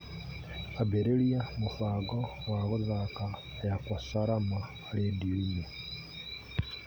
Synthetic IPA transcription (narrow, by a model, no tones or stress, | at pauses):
abeɾeliamufaːɡowaɣuzaka | ejakasaɾamaːlendiiɲe